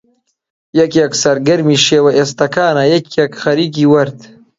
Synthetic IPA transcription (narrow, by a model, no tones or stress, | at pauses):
jɐkjeksɐɾɡɐɾmiːʃeːwɐʔest̪ɐkaːnajekjekxɐɾiːk̬iːwɐɾt̪